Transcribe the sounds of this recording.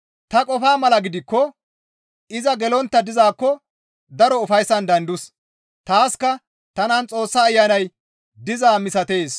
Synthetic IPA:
t̪ɐkʼɔfaːmɐlɐɡɪd̪ɪkːɔ | ʔɪzɐɡɛlɔnt̪ːɐd̪ɪzaːkːɔ | d̪ɐɾɔʊfɐjsːɐnd̪ɐnd̪ʊs | t̪aːskɐ | t̪ɐnant͡sʼo̞ːsːaːjːanɐj | d̪ɪzaːmɪsɐt̪e̞ːs

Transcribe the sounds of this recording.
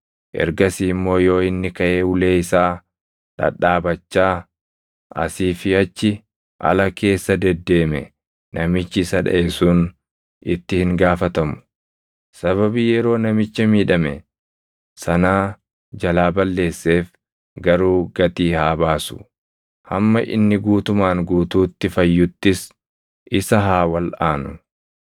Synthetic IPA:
ʔɛ̰ɾɡɐsiːmːo̞ːjo̞ːɪnːɪkɐʔeːʊle̞ːɪsaː | ᶑɐ̰ᶑaːbɐt͡ʃːaː | ɐ̰siːfɪɐt͡ʃːɪ | ʔɐ̰lɐke̞ːsːɐd̪ɛd̪ːe̞ːmɛ̰ | nɐmɪt͡ʃːɪsɐᶑɐ̰ʔɛsuːn | ɪt̪ːɪhɪŋɡaːfɐt̪ɐmʊ̥ | sɐβɐbiːjɛɾo̞ːnɐmɪt͡ʃːɐmiːᶑɐmɛ̰ | sɐnaː | d͡ʒɐlaːbɐlːe̞ːsːe̞ːf | ɡɐɾuːɡɐt̪iːhaːbaːsʊ̥̰ | hɐ̰mːɐʔɪ̰nːɪɡuːt̪ʊmaːŋɡuːt̪uːt̪ːɪfɐjːʊt̪ːɪs | ʔɪsɐɦaːwɐlaːnʊ

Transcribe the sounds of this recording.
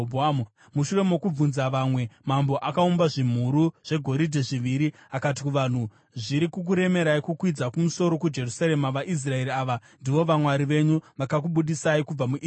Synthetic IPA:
bamu | muʃure̞mokub͡vunzaʋamwe̞mambo̞ʔakaumbaʐim̤uɾuʐ̥e̞ɡʱo̞ɾidʱeʐiʋiɾi | akat̬ikuʋan̤u | ʐiɾikuk̬uɾe̞me̞ɾaikukwid͡zakumuso̞ɾo̞kud͡ʒe̞rusaɾe̞maʋaʔis̬rae̞ɾiaːʋandiʋo̞ʋamwaɾiʋe̞ɲuʋakak̬uɓuɗisaikub͡vamuʔ

